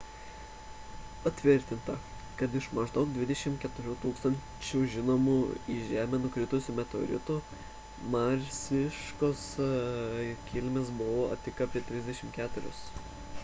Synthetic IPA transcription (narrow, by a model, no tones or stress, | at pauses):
pɐt̪ʲʋʲɪɾʲt̪ʲɪnt̪ɐ | kɐt̪ɪʃmɐʒd̪ɐʊk̚d̪ʋʲɪd̪ʲɛʃʲɪmkʲɛt̪ʊɾʲuːt̪uːkst̪ɐnʲ | t͡ʃʲuʒʲɪnoːmuːiʒʲæːmʲɛnʊkɾʲɪt̪ʊsʲʊmʲɛt̪o̰ːɾʲɪ̰t̪u | mɑɾʲsʲɪʃkoːs | kʲɪlʲmʲeːsbʊʋoːɐ̰t̪ʲɪkaːpʲiɛt̪ʲɾʲɪzʲd̪ʲɛʃʲɪmkʲæːt̪ʊɾʲʊ̰s